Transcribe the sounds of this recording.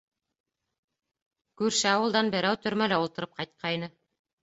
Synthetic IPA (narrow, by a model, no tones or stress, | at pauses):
kʉɾʃɘɑwɤ̆lˠd̪ɑnbɘ̆ɾæwt̪ɵ̆ɾmælæulˠt̪ɤ̆ɾɤp̚qɑjt̪̚qʰɑjnɤ